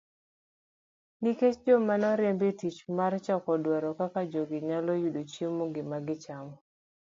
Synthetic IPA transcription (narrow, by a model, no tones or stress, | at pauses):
niket͡ʃd͡ʒomanɔɾjembitit͡ʃmart͡ʃɔkɔdwaɾɔkakad͡ʒoɡɪɲalɔjudot͡ʃimːoɡɪmaɡɪt͡ʃamɔ